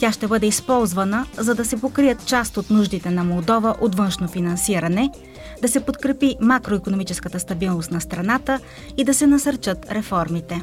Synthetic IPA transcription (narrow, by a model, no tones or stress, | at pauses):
t̪ʲaʃt̪ɛbɤd̪ɛispɔlˠzvənəzɐd̪ɐsɛpokɾijət̪t͡ʃast̪ot̪nuʒd̪it̪ɛnɐmolˠd̪ɔvəʔot̪vənʃnofinɐnsiɾɐnɛ | d̪ɐsɛpot̪kɾɛpimakɾoikonomit͡ʃɛskət̪əst̪ɐbilˠnost̪nɐst̪ɾɐnat̪ə | id̪ɐsɛnɐsəɾt͡ʃət̪ɾɛfɔɾmit̪ɛ